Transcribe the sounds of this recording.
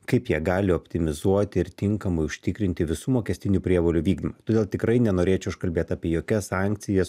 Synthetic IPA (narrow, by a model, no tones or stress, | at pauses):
kɐɪpjiɛɡɑːlʲɪoːpʲt̪ʲɪmʲɪzuɔt̪ʲɪɪɾt̪ʲɪŋkɐmɐɪʊʃʲt̪ʲɪkɾʲɪnʲt̪ʲɪʋʲɪsuːmoːkʲɛsʲt̪ʲɪnʲuːpʲɾʲiɛʋoːlʲuʋʲiːɡd̪ʲimɐt̪oːd̪ʲeːlˠt̪ʲɪkɾɐɪnʲɛnoːɾʲeːt͡ʃʲɛʊʃkɐlʲbʲeːt̪ɑːpʲiɛjoːkʲɛsɑːŋʲktsʲɪjɛs